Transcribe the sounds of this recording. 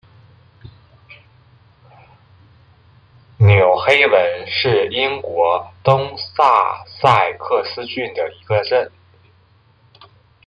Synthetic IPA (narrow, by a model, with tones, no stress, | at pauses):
njo˨˩ʊxe˥ɪwə˧˥nʂɻ̩˥˩i˥ŋkwɔ˧˥t̪ʊ˥ŋsa̰˥˧sa˥˧ɪkʰɤ˥˩sɹ̩˥t͡ɕy˥˩nd̪ə˩i˧˥ɡə˧ʈ͡ʂə˥˩n